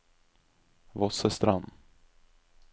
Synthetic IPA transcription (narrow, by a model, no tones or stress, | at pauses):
vɔsəst̪ɾan